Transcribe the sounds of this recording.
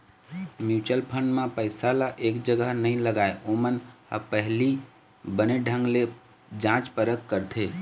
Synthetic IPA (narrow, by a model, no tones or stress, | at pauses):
mjut͡ʃəlpʰəɳɖmẽpəɪsalaʔekd͡ʒəɡəɦnəĩləɡaeʔoməna̰pəɦli | bəneɖʱə̃ŋɡle | d͡ʒãt͡ʃpəɾəkkəɾt̪ʰe